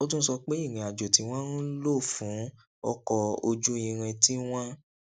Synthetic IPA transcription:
o˦t̬ũ˦sɔ˧k͡pe˦i˦˨ɾ̃ĩ˨a˨d͡ʒo˨ti˨˧˦w̃ɔ̃˦ɾũ˦lo˦˨fũ˨˦ | ɔ˧kɔ˧o˧d͡ʒu˦ĩ˧ɾ̃ĩ˧ti˦w̃ɔ̃˦

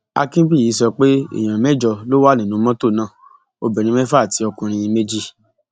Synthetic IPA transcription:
a̰˧kĩ˦bi˦˨i˨˦sɔ˧k͡pe˦ḭ̃˦˨ã˨mɛ˦d͡ʒɔ˧lo˦wa˦˨nĩ˨nũ˨˦mɔ̃˦to˦˨nãː˦˨ | o˧bɛ˨ɾĩ˨˦mɛ̃˦fa˦˨ti˧˦ɔ˧kũ˧ɾ̃ĩ˧jĩ˧me˦d͡ʒi˦

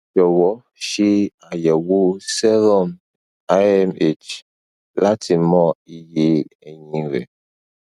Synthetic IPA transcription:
d͡ʒɔ˨wɔ˨˦ | ʃi˦a˨jɛ˨wu˦sɛ˦lɔ˦˨m | a˦ɛ˦me˦˨t͡ʃ | la˦tʰi˨mɔ˦i˦je˦ɛ˨ɲĩ˨ɾɛ̰˨

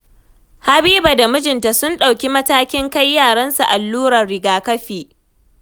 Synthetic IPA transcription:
ha˦biː˦ba˨da˨mʊ˦d͡ʒɪ˨nta˨sʊ˦nɗa˨wkʲi˦mɐ˦taː˦kʲɪ˦ŋka˦jːaː˦˨ɽɐ˦nsa˨ʔa˨lːuː˦ɾɐ˨rɽɪ˨ɡaː˨kɐ˦ɸiː˨ʔ

